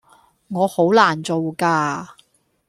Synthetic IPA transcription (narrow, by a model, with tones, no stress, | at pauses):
ŋɔː˨˧ho˨˥wlaː˨˩nt͡so˨wkaː˧